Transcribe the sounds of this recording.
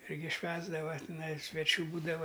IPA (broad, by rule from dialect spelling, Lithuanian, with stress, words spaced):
ˈɪrʲɡʲɪ ˈʃʲʋʲæːzdɐʋɐ tʲɪˈnɐɪ sʲʋʲɛˈt͡ʃʲuː ˈbuːdɐʋɐ